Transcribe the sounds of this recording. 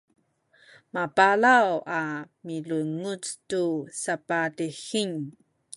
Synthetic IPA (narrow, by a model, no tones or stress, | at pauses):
mapalawamiluŋut͡stusapatixiɲ